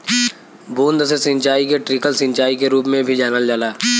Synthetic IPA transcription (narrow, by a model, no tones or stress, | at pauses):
buːnd̪sesɪ̃ɲt͡ʃaːikeʈɾɪkəlsɪ̃ɲt͡ʃaːikeɾuːpmẽbʱid͡ʒaːnəld͡ʒaːlaː